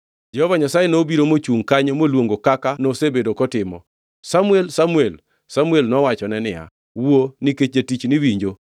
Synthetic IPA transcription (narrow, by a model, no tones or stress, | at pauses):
d͡ʒɛhɔvaɲasajenobiɾomot͡ʃuŋkaɲemolwoŋɡokakanosebedokɔtɪmɔ | samuelsamuel | samuelnɔwat͡ʃɔnɛnɪ̰ja̰ | woniket͡ʃetit͡ʃniwiɲd͡ʒo